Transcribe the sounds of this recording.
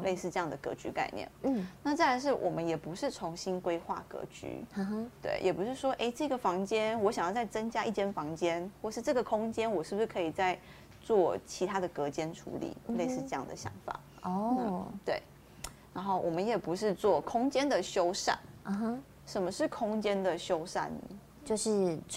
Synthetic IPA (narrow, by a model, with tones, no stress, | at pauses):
lʔe˥˧ɪsɹ̩˥˧ʈ͡ʂɤ˥˧jɑ˥˩ŋd̪ə˩kɤ̰˧˥t͡ɕy˧˥ka̰˥˧ɪnjɛ̰˥˩n˥˩na˥˩t͡sa˥˩a˧˥ɪʂɻ̩˥˩wʔɔ̰˨˩mə˦njɛ˨˩pu˧˦ʂɻ̩˥˩t͡sʰʊ˧˥ŋɕi˥nkwe˥ɪxwa̰˥˩kɤ̰˧˥t͡ɕy̰˧˥˧t̪wḛ˥˩ɪjʔɛ˨˩pu˧˥ʂɻ̩˥˩ʂwɔ˥ʔe˥ɪʈ͡ʂɤ˥˩ɡə˩fɑ˧˥ŋt͡ɕjɛ˥nwɔ˧˥ɕjŋjɑ˥˧t͡sa˥˩ɪt͡sə˦ŋt͡ɕja˥i˥˩t͡ɕjɛ˥˩nfɑ˧˥ŋt͡ɕjɛ˥nxwɔ˥˧ʂɻ̩˥˧ʈ͡ʂɤ˥˩ɡə˩kʰʊ˥ŋt͡ɕjɛ˦˥nwɔ˨˩ʂɻ̩˥˩b̚u˩ʂɻ̩˥˩kʰɤ˧˥i˨˩t͡sa˥˧ɪ | t͡swɔ˥˩t͡ɕʰi˧˥t̪ʰa˥d̪ə˨kɤ˧˥t͡ɕjɛ˥nʈ͡ʂʰṵ˧˥lḭ˨˩˦le˥˧ɪsɹ̩˥˧ʈ͡ʂɤ˥˧jɑ̰˥˩ŋd̪ə̰˨˩ɕjɑ̰˧˥ŋfa̰˨˩˦ | ɔ˥t̪we˥˩ɪ | na˧˥nxo˥˩ʊwʔɔ˨˩mə˦njɛ˨˩pu˧˥ʂ̬ɻ̩˥˧t͡swɔ˥˩kʰʊ˥ŋt͡ɕjɛ˥nd̪ə˨ɕjo˥ʊʂa̰˥˩n˨ɦ | ʂə˨˩nmə˧˦ʂɻ̩˥˩kʰʊ˥ŋt͡ɕjɛ˥nd̪ə˨ɕjo˥ʊʂa̰˥˩nə˩ | t͡ɕo˥˧ʊʂɻ̩˥˩